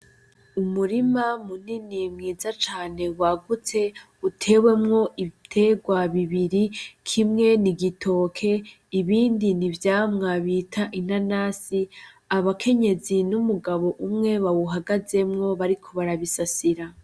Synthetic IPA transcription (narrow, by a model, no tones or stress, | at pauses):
umuɾimamuninimŋiːzat͡ʃaːne̞waɡut͡se̞ | utʰe̞ːwe̞mŋo̞ʔitʰe̞ɡwaβiβiɾikʰimŋe̞niɡitʰo̞ːkʰe̞ | iβiːndinivjaːmŋaβiːtʰaʔinanaːsi | aβakʰe̞ɲe̞zinumuɡaβo̞ʔumŋe̞βawuɦaɡaze̞mŋo̞βaɾikʰo̞βaɾaβisasiɾa